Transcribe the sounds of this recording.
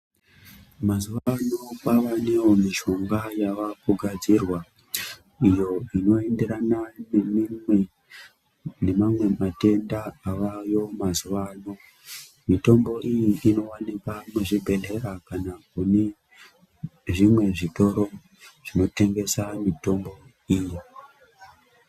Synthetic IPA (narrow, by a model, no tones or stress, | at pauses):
mazuʋano̞paʋanewo̞miʃo̞ŋɡajaʋakuɡʱad͡zirwa | ijo̞ino̞e̞nde̞ɾananemimwe | ne̞mamwe̞mate̞ndaːʋajo̞mazuʋaːno̞ | mito̞mbo̞ʔijiʔino̞wanikamuʐibʱe̞le̞ɾakanakune̞ | ʐimwe̞ʐito̞ɾo̞ | ʐ̥ino̞te̞ŋɡe̞samito̞mbo̞ | iji